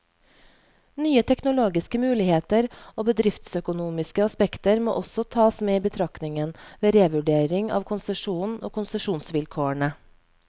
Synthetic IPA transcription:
nyːət̪ʰɛknʊloːɡɪskəmʉːlɪheːt̪əɾoːbəd̪ɾɪft̪sœkʊnuːmɪskəɑspɛkt̪əɾmo̰ːʔɔsɔt̪ʰɑːsmeːiːbət̪ʰɾɑknɪŋənʋeːɾeːʋʉɖeːɾɪŋɑ̰ːʋkʰʊnsəʂuːno̰ːkʰʊnsəʂuːnsʋɪlkʰoːəɳə

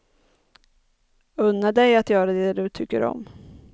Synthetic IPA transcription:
ɵnːad̪ɛjat̪jœːɾad̪ɛd̪ɵt̪ʰʏkːə̰ɾɔ̰m

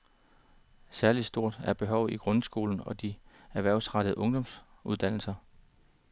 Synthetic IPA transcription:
sæɐli̥sd̥o̝ɐ̰d̥æɐb̥e̝ɦɒʊ̰iɡ̥ʁɔ̽nsɡ̥o̝ːln̩ɒ̽d̥i | æɐʋæɐʊsʁɑ̈ɾ̥əð̩ˠʔɔ̽ŋd̥ɒ̽ms | uð̞̥ˠæn̰l̩sɐ

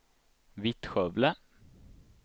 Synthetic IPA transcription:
vɪt̪ɧœvlə

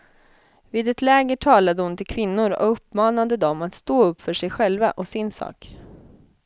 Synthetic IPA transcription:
viːd̪ɛt̪lɛːɡəʈʰɑːlad̪əhʊnt̪ʰɪlkʰvɪnːʊɾɔ̰ɵpːmɑːnad̪əd̪ɔmat̪st̪oːɵpːfœʂɛjɧɛlva̰ʔɔsɪnsɑ̰ːk

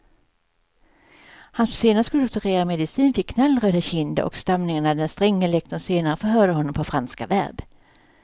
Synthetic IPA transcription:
hansseːnat̪kɵlɔk̚t̪œɾeːɾamɛd̪ɪsiːnfɪkʰːnalːɾøːd̪aɕɪnd̪ə̰ʔɔ̰kst̪amnɪŋanad̪ɛnst̪ɾɛŋːəlɛkt̪ɔseːnaɾəfœɦœːd̪əɦɔnːɔmpʰɔfɾanska̰væ̰ɾb

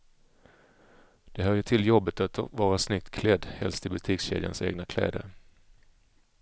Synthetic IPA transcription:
d̪̥ɛɦœːɾjəʈʰɪljɔbːət̪at̪vɑːɾasnʏk̚t̪kʰlɛd̪ːhɛ̰lst̪ɪlbɵt̪ʰiːksɕḛːd̪ja̰nseːɡnakʰlɛ̰ːd̪ə̰ɾ

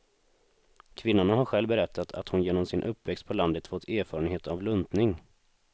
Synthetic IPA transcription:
kʰvɪnːʊɳaɦaɾɧɛlvbɛɾɛt̪ʰːat̪ʰa̰t̪hʊnjeːnɔmsɪnʔɵpːvɛkst̪̚pʰɔland̪ət̪fɔt̪ʰːeːɾfɑːɾənɦeːt̪avlɵnd̪nɪŋ

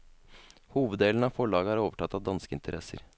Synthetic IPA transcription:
huːʋəd̪d̪eːln̩ɑʋfɔɭɑːɡəæːɾoːʋəʈʰɑt̪ːɑʋd̪ɑnskəɪ̰nt̪ʰəɾʔɛ̰sə̰ɾ

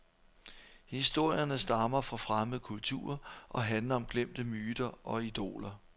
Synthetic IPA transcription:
hisd̥o̝ɐ̰jɐnəsd̥ɑ̈mɐfʁɑ̈fʁaməðˠəkʰult͡sʰṵɐʔɒ̽ɦænlɐɒ̽mɡ̥lem̰d̥əmyːd̥ɐʔɒ̽id̥o̝̰ːlɐ

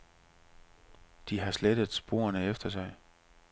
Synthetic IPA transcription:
d̥iɦɑ̈sled̥əðˠsb̥o̝̰ːɐnəefd̥ɐs̬ɑ̈ɪ

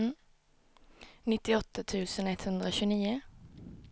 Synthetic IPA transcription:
nɪt̪ɪɔt̪ət̪ʰʉːsənɛt̪hʉnd̪ɾəoːçʉːniːə

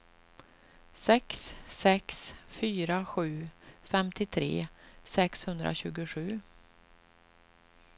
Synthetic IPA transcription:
sɛksːɛksfyːɾaɧʉ̟ːfɛmt̪ʰɪt̪ʰɾḛːsɛkshɵnd̪ɾʔa̰ɕʉ̟ːɡʊɧʉ̟ː

